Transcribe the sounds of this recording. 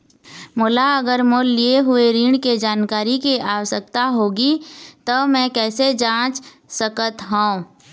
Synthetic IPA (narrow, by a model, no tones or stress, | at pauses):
mʊlaɐɡəɾmolːieɦʊeɾiːɳked͡ʒaːnkaːɾikeʔaːwəsəkt̪aɦoːɡit̪omɛ̃kɛːsed͡ʒãːt͡ʃ | səkət̪ɦũː